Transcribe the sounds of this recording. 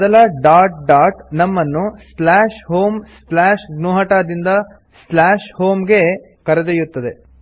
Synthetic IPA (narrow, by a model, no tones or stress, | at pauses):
d̪ɐlɐɖaːʈ̚ɖaːʈnɐmːɐnːuslaːʂɦoːmslaːʃɡnuːɦɐʈaːd̪ind̪ɐ | slaːʃhoːmɡe̞ | kɐɾɐd̪ejut̪ːɐd̪e̞